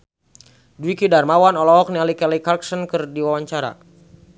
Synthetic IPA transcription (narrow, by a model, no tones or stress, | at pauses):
duikidarmawanɔlɔɔk̚nialikɛlikarksɔnkɨrdiwawaɲt͡ʃaɾa̰